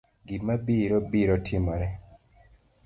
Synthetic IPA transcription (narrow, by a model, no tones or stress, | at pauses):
ɡimabiɾɔbiɾɔtʰɪmɔɾɛ